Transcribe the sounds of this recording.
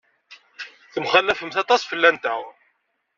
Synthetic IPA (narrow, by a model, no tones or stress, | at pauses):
θəmχælːæfəmθɑt̪ˤɑsfəlːænt̪æ̰w